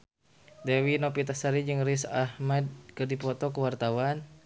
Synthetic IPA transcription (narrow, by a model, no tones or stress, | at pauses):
dɛwinɔpit̪asaɾid͡ʒɨŋrisahmɛd̚kɨrdipɔt̪ɔkəwart̪awan